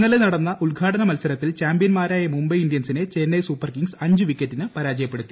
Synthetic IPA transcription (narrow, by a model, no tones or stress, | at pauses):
nːɐlenɐɽɐnːɐʔuɭɡʱaːʈɐnɐmɐlsɐɾɐt̪ːilt͡ɕaːmbijɐnmaːɾaːjɐmumbɐjindijɐnsinet͡ɕenːɐjsuːpːɐrkiŋɡsɐɲd͡ʑɨʋikːɐtːinɨpɐɾaːd͡ʑɐjɐpːeɽut̪ːi